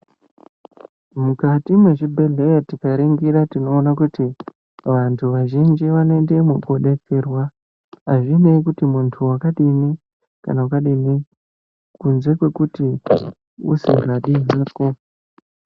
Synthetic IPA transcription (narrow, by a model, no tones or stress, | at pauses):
mukatimweʐibʱe̞ɮe̞jatikaɾiŋɡiɾatino̞ːnakuti | ʋantʰuʋaʒind͡ʒiʋanoende̞mokoɗe̞t͡serwa | ɦaʐineikutimuntʰuwakaɗini | ka̰nawakaɗini | kunze̞kwe̞kuti | ṵsḛraɗiɦaːko̞